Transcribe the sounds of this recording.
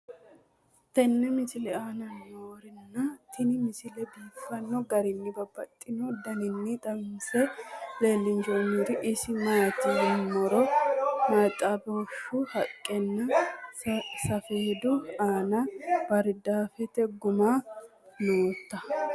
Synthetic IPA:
t̪ɛnːɛmɪsɪlɛaːnɐnːoːɾɪnːɐt̪ʰɪnɪmɪsɪlɛbiːfːɐnːɔɡɐɾɪnːɪbɐbːɐt̪ʼːɪnɔd̪ɐnɪnːɪt̪ʼɐmnsɛle̞ːlːɪnd͡ʒomiɾɪʔɪsɪmaːt̪ɪnmɔɾɔmɐt̪ʼːaboʃʊhɐkʼːɛnːɛ | sɐfeːd̪ʊaːnɐbɐɾd̪aːfɛt̪ɛɡʊma | no̞ːt̪ːɐ

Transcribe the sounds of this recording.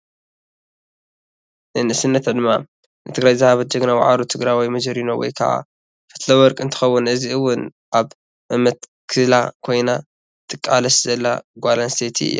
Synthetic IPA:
nɨnɨsɨnːɐt̪ʰad̪ɨmːa | nɨt̪ʰɨɡɾajzɨhaβɐt̪̚d͡ʒɐɡnawa̰ʕaɾut̪ʰɨɡɾajwijmɐd͡ʒɐɾinowɔ̰jkʰɐ̰ʕa̰ | fɐ̥t̪lɐwɔɾkʼɨnt̪ʰɨ̥xɐwːʊnʔɨziɨwːʊn | ʔaβ | ʔɨmɐt̪ | kʰɨlakʰo̞jna | t̪ʰʼɨkʼːalɐszɐlːaɡʷalanset̪ʰiɨ̰jːo̰

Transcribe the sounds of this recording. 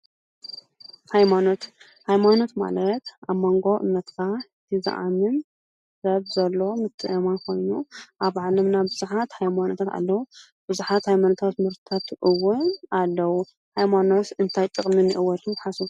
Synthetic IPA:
hajmano̞t̪ | hajmano̞t̪ma̰lɐt̪ʔaβmoŋɡo̞ʔɨ̰nːɐt̪kʰat̪ʰɨza̰ʔamɨn | zɐβzɐlːo̞mɨt̪ʰːɨʔemankʰo̞jnuʔaβʕalɐmnabɨzuħat̪hajmanot̪ʰat̪a̰lːɐwu | b̥ɨzuħat̪hajmanot̪ʰat̪mɨɾt̪ʰɨt̪ʰat̪ʔɨwːʊnalːɐwu | hajmano̞t̪ɨnt̪ʰajt̪ʼɨkʼminɨʔɨwːɐt̪ʰɨnt̪ħasu

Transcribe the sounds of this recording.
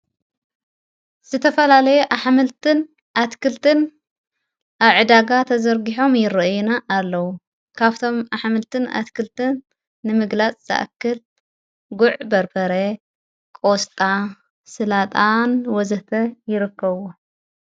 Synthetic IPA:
z̥ɨt̪ʰɐfɐlalɐjuʔaħmɨlt̪ʰɨn | ʔat̪kʰɨlt̪ʰɨn | ʔaβʕɨd̪aɡat̪ʰɐzɐɾɡiħo̞mjɪɾɨʔjunaʔːlːɐwu | kʰaβt̪ʰo̞mʔaħmɨlt̪ʰɨna̰t̪kʰɨlt̪ʰɨnː | ɨmɨɡlat͡sʼz̥a̰ʔkːɨl | ɡuʕbɐɾbɐɾe | kʼost̪ʼa | sɨlat̪ʼanwɔzɨht̪ʰɐjɪɾɨkːɐβo

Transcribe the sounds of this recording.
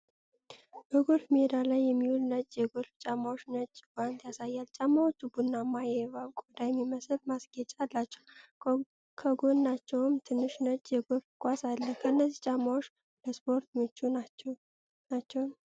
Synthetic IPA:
b̥əɡo̞lfmed̪alajːɛmːiulnət͡ʃʼjɛɡo̞lft͡ʃʼamːawoʃnət͡ʃʼːbant̪jasajːalt͡ʃʼamːawot͡ʃːubunːamːajɛβaβkʼod̪ajɛmːiməsɨlmasɡ̥ɛt͡ʃʼalːat͡ʃːɛw | kʰəɡo̞nːat͡ʃːɛwɨmt̪ʰɨnːɨʃnət͡ʃʼjɛɡo̞ɾfkʷʼasalːəkʰəɨnːəzit͡ʃʼamːawoʃ | ləspʰo̞ɾt̪mɨt͡ʃːua | nat͡ʃːɛwn

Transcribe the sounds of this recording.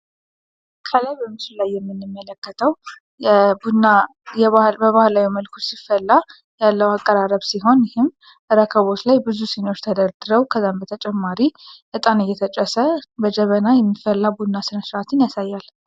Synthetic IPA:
kʰələjbəmɨsulajːɛmːɨnːɨmːələkːət̪ʰəw | bunajɛbəβahlawiməlkʰut̪sifːəlːa | jalːəwakʼːəɾaɾəβsiɦo̞njɪhɪm | ɾəkʰəβo̞t͡ʃ̪lajbɨzuseno̞t͡ʃːt̪ʰəd̪əɾd̪ɨɾəwkʰəzːambət̪ʰət͡ʃʼɛmːaɾiʔɨt̪ʼanɨjːɛt̪ʰət͡ʃʼəsəbəd͡ʒəβənajɛmːifːəlːabud̪nːasɨnəsɾʔat̪ʰɨnjasajːal

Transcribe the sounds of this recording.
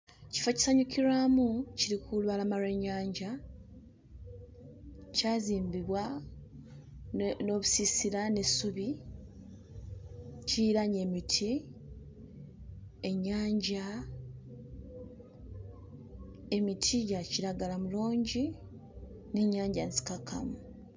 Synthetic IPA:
ci̥faci̥saɲukʰiɾaːmuciɾikʰulwalamaɾe̞ːɲːaːɲɟa | caːziːmbiβwa | no̞βusisiɾane̞suβi | ciɾaɲe̞ːmitʰi | e̞ɲːaːɲɟa | e̞mitʰijaciɾaɡalamuluːɲɟi | ne̞ɲːaːɲɟansi̥kakʰa̰mu

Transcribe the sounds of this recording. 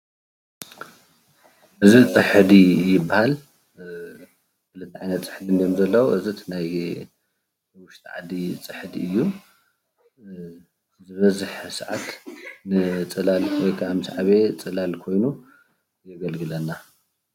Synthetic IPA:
ʔɨzit͡sʼɨħd̪ijɪbːahal | kɨlɨt̪ʰːiʕajnɐt̪t͡sʼɨ̥ħd̪ɨnjomzɐlːɐwuʔɨzit̪ʰnaj | wʊʃt̪ʰʼʕa̰d̪it͡sʼɨħɨd̪iɨjːu | zɨβɐzɨħsɨʕa̰t̪nɨt͡sʼɨlalwojkʰamɨsʕaβe̞t͡sʼɨlalkʰo̞jnu | jɛɡɐlɡɨlɐnːa

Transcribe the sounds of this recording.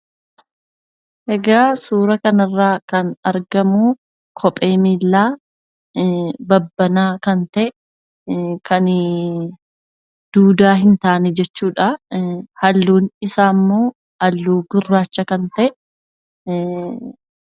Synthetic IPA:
ʔɛɡaːsuːɾɐkɐnɐrːaːkɐnɐɾɡɐmu | kʰɔpʼe̞ːmiːlːaː | bɐbːɐnaːkɐnt̪ɐʔ | kʰɐn | d̪̥uːd̪aːɦɪnt̪aːʔnɛd͡ʒɛt͡ʃːuːᶑahɐlːuːnɪsaːmːoː | hɐlːuːɡʊrːaːt͡ʃːɐkɐnt̪ɐʔ

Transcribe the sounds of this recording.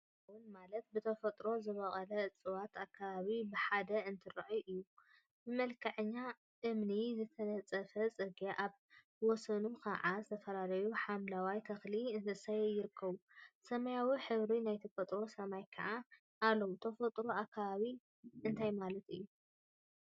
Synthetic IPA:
wunmalɐt̪̚bɨt̪ʰɐfɐt̪ʼɾo̞zɨβɐχʼɐlɐt͡sʼɨwat̪akʰːaβaβibɨħad̪ɐɨnt̪ʰɨɾɐʕuʔɨjːu | bɨmɐlkʰɐʕɨɲːa | ʔɨmnizɨt̪ʰɐnɐt͡sʼɐfɐt͡sʼɨɡeʔaβ | wɔsɐnukʰɐ̰ʕazɨt̪ʰɐfɐlalɐjuħamlawajt̪ʰɐxliɨnt̪ʰɨsɐjɛjɪɾɨkʰːɐβusɐmɐjawiħɨβɾinajt̪ʰɐfɐt̪ʼɾo̞sɐmajkʰa̰ʕa | alːɐwut̪ʰɐfɐt̪ʼɾo̞akʰːaβaβi | ʔɨnt̪ʰajmalɐt̪ɨjːu

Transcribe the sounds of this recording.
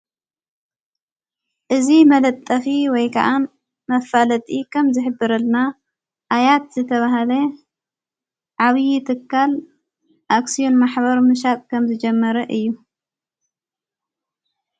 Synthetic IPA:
ʔɨzimɐlɐt̪ʼːɐfiwɔjkʰa̰ʔan | mɐfalɐt̪ʼikʰɐmzɨħɨbːɨɾɐlna | ʔajat̪zɨt̪ʰɐβahɐlɐ | ʕaβɨjit̪ʰɨkʰːal | ʔaksijo̞nmaħbɐɾmɨʃ̬ak̪ʼkʰɐmzɨd͡ʒɐmːɐɾɐʔɨjːu

